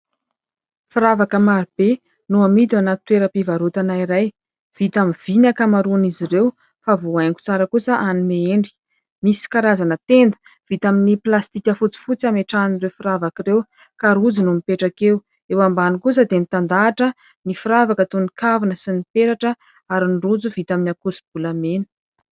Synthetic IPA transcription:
fiɾavakəmaɾib̥e | nuamit̪anat̪weɾəpivaɾut̪anaiɾaj | v̥it̪amiv̥inakamaɾuniziɾew | favoajŋku̥t͡saɾəkusəʔanimeeɳɖ͡ʐi̥ | misi̥kaɾazanət̪end̪ə̥ | v̥it̪aminiplast̪ikʲəfut͡si̥fut͡siameʈ͡ʂanirefiravakirew | kaɾud͡zinumipeʈ͡ʂakew | ewambanikus̬əd̪emit̪and̪aːʈ͡ʂə | nifiɾavakət̪unikavinəsinipeɾaʈ͡ʂə | aɾinɖ͡ʐud͡zuvit̪aminakusib̥ulamenə̥

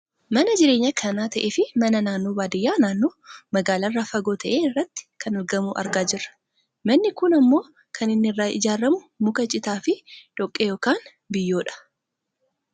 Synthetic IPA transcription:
mɐnɐd͡ʒɪɾeːɲːɐkʰɐnaːt̪ɐʔeːfɪmɐnɐnaːnːoːbaːd̪ɪjːaːnaːnːoːmɐɡaːlɐrːaːfɐɡo̞ːt̪ɐʔeːɪrːɐt̪ːɪ̥kʰɐnɐlɡɐmuːʔɐ̰ɾɡaːd͡ʒɪrːɐ̥ | mɐnːɪkʊnɐmːo̞ː | kʰɐnɪnːɪɪrːaːɪ̰d͡ʒaːɾɐmʊ | mʊkɐt͡ʃʼɪt̪aːfɪᶑ̪̥ɔkʼːejo̞ːkaːn | bɪjːo̞ːᶑɐ̥

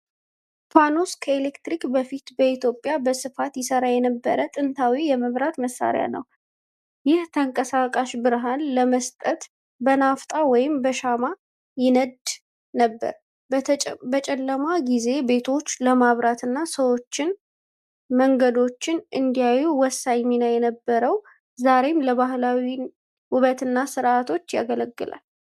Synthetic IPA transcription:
pʰanoskʰəelekt̪ɾikbəfit̪bəit̪ʰjo̞pʼjabəsɨfat̪jɪsəɾajɛnəbːəɾət̪ʼɨnt̪ʰawijɛməβɾat̪məsːa̰ɾɪja̰nə̰w | jɪht̪ʰəŋkʼəsakʼaʃbɨɾɦanləməst̪ʼət̪ | bənaft̪ʼawɔjɪmbəʃama | jɪnəd̪ | nəbːə̰ɾʰ | bət͡ʃʼɛlːəmaɡize̞be̞t̪ʰo̞t͡ʃːləmaβɾat̪ʰɨnːasəwo̞t͡ʃːɪn | məŋɡəd̪o̞t͡ʃːɪnʔɨnd̪ijajuwɔsːaɲɲinajɛnəbːəɾəw | zaɾe̞mləβaɦlawi | wʊβət̪ɨnːasɨɾʔat̪ʰo̞t͡ʃːja̰ɡələɡːɨla̰l

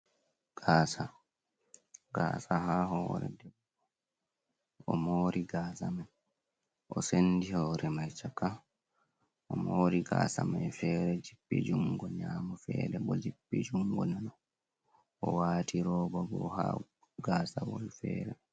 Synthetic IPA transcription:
ɡ̥aːsa | ɡ̥aːsaɦahɔːɾɛ̰dɛbːɔ | ɔmoːɾiɡaːsamaj | ʔɔsendihɔːɾɛmajt͡ʃaka | ʔɔmoːɾiɡaːsamajfɛɾɛd͡ʒipːɛ̰d͡ʒuŋɡɔɲaːmɔfɛːdɛbɔd͡ʒibːɛd͡ʒuŋɡɔnanɔ | ɔwaːtʰiɾɔːbɔɡɔ̰ha | ɡaːsawɔlfɛːɾɛ

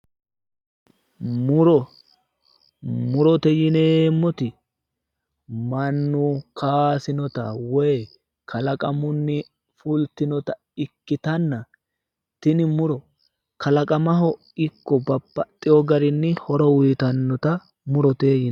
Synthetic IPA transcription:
mʊɾɔ | mʊɾɔt̪ɛjɪneːmːɔt̪ɪ | mɐnːʊkʰaːsɪnɔt̪ɐwɛj | kʰɐlɐkʼɐmʊnːɪ | fʊlt̪ɪnɔt̪ɐ | ɪkːɪt̪ɐnːɐ | t̪ɪnɪmʊɾɔ | kɐlɐkʼɐmɐɦɔ | ɪkːɔbɐpːɐt̪ʼːɪjɔɡɐɾɪnːɪhɔɾɔwʊjːt̪ɐnːɔt̪ɐ | mʊɾɔt̪eːjɪn

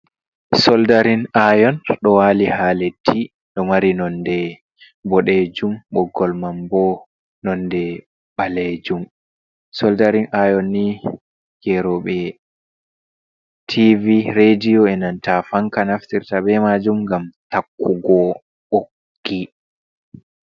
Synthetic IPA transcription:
sɔldaɾinajɔnɗɔwalihaletʰːi | ɗɔmaɾinɔndɛ | bɔɗed͡ʒumɓɔɡɔlmambɔ | nɔndɛ | ɓaled͡ʒum | sɔldaɾinʔajɔnːi | jɛɾɔɓɛ | tʰiviɾedijɔɛnantafaŋkanaftiɾtaɓɛmad͡ʒumɡamtakːuɡɔ | okː | i

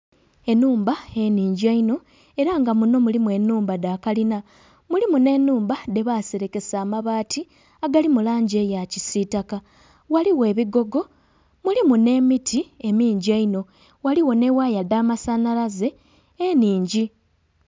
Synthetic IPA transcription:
e̞nuːmbae̞niːɲɟiaino̞ | e̞ɾaŋɡamuno̞mulimwe̞nːuːmbadaːkalina | mulimune̞nːuːmbade̞βaːseɾe̞ke̞saːmaβaːtʰi | aɡalimulaːɲɟe̞jacisitaka | waliwe̞ːβiɡo̞ɡo̞ | mulimune̞ːmitʰiemiːɲɟiaino̞ | waliwo̞ne̞wajadamasanalaze̞ː | niːɲɟi

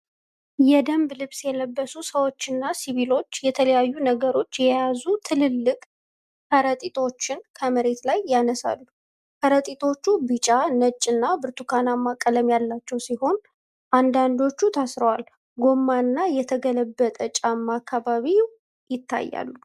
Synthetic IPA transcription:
jɛd̪əmblɨβsjɛləbːəsusəwo̞t͡ʃːɨnːasiβilo̞t͡ʃːjɛt̪ʰələjajːunəɡəɾo̞t͡ʃːjɛjazut̪ʰɨlɨlːɨkʼ | kʰəɾət̪ʼit̪ʰʼo̞t͡ʃːɪnkʰəməɾe̞t̪lajːanəsa̰lːu | kʰəɾət̪ʼit̪ʼʰo̞t͡ʃːubɨt͡ʃʼanət͡ʃʼːɨnːabɨɾt̪ʰukʰanamːakʼələmjalːat͡ʃːɛwsiɦo̞n | ʔand̪and̪o̞t͡ʃːut̪ʰasɾəwal | ɡo̞mːanːajɛt̪ʰəɡələbːət̪ʼət͡ʃʼamːakʰːaβaβi | jɪt̪ːa̰jːa̰lːu

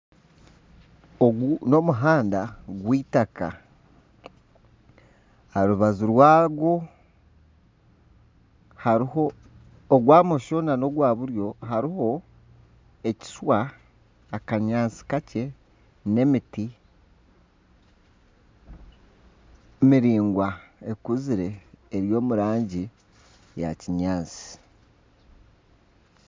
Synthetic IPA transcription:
oɡuno̞muɦaːndaɡwiːtaka̰ | aɾuβazuɾwaːɡo̞ | haɾihoː | ɡwaːmoʃo̞nano̞ɡwaːβuɾjo̞ɦaɾiho̞ | e̞ci̥swaː | kaɲaːnsi̥kace̞ | ne̞miti | miɾiːŋɡwae̞kuziɾe̞ːɾjo̞ːmuɾaːɲɟi | ja̰ciɲaːnsi̥

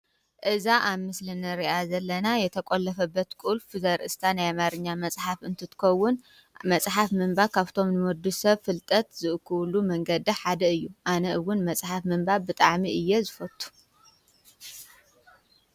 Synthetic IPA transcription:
ʔɨzaʔaβmɨslɨnɨɾiʔazɐlːɐnajɛt̪ʰɐkʼolːɐfɐbːɐt̪kʼulfuzɐɾʔɨst̪ʰanajamaɾɨɲːamɐt͡sʼħafɨnt̪ʰɨt̪ʰɨ̥kʰɐwːʊn | mɐt͡sʼħafmɨmbakʰaβt̪ʰo̞mnɨmɔd̪usɐβfɨlt̪ʼɐt̪zɨʔɨkʰːulumɐŋɡɐd̪iħad̪ɐɨjːuʔanɐʔɨwʊnmɐsʼħafmɨmbabɨt̪ʼaʕmiʔɨjːezɨfɐt̪ʼːu̥

